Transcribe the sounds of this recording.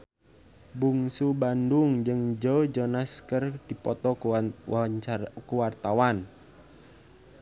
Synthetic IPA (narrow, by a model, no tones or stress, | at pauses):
buŋsubanduŋd͡ʒɨŋd͡ʒɔd͡ʒɔnaskərdipɔt̪ɔ | kuwart̪awan